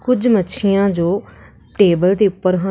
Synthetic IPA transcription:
kʊd͡ʒmətːʃʰɪjãːd͡ʒoː | ʈeːbəld̪eːʊpːəɾɦa

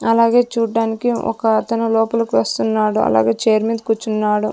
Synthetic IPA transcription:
ɐlaːɡe̞ːt͡ʃuːɖaːnikiɔ̰kɐːt̪ɐnulɔːpɐlɐkiʋɐst̪unːaːɽuɐ̰la̰ːɡe̞ːt͡ʃeːjɐɾmiːd̪̚kut͡ʃːunːaːɽu

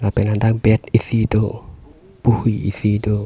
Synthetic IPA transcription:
lapɛlandaŋbɛt̪̚isido | b̥uhiḭsido

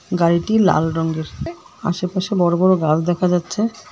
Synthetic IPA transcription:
ɡaɾiʈila̰lɾɔŋɡeɾ | a̰ʃepaʃebɔɾobɔɾoɡald̪ɛkʰad͡ʑatːɕʰe

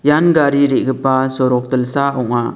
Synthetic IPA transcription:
janɡaɾiɾiʔɡəpasɔɾɔk̚t̪əlsaɔŋa̰

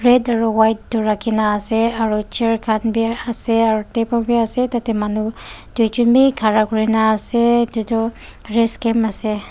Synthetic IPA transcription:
ɹedaɹuwajt̚dɔɹakʰinaːsɛaɹut͡ʃeɹkʰanbiasɛaɹutebɔlbiasɛtatɛmanudujd͡ʒunbikʰaɹakuɹinaːsɛdutɔ | ɹeskemasɛ

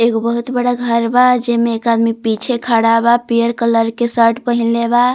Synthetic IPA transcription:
ekobəɦut̪bəɽaɡʱəɾbad͡ʒemeːkad̪mipit͡ʃʰekʰaɽabapijəɾkələɾkesəɾʈpəɦinleba

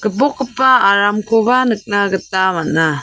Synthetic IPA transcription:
kɯbokɯpaːɾamkʰobanɯk̚naɡɯtːamana

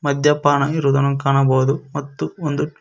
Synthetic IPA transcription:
mɐd̪jɐpaːɳɐiɾud̪ɐnɐmkaːɳɐboːd̪umɐt̪ːuond̪u

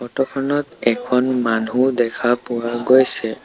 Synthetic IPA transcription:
ɔtɔkʰɔnɔtɛkʰɔnmanudɛkʰapʊwaɡojsɛ

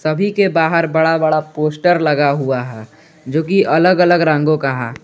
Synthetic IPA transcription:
səbʱikebaːɦəɾbəɽabəɽapoːsʈəɾləɡaɦuaɦɛː | d͡ʒoːkiʔɐləɡələɡɾãːŋ̆ɡõkaɦɛ̰ː

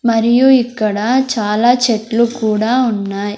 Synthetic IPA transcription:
mɐɾijuikːɐɽɐt͡ʃaːlaːt͡ʃeʈlukuːɽaːunːaːj

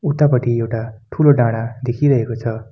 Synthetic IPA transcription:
ut̪ːapʌʈiewʈaʈʰuloɖãɽ̃ad̪ekʰiɾʌɦekot͡sʰʌ

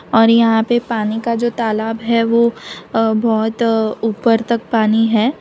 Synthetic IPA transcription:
ɔːɾjɐɦãpepaːnikad͡ʒoːt̪aːlaːbɦɛʋo | bɔːt̪uːpəɾt̪ɐk̚paːniɦɛː

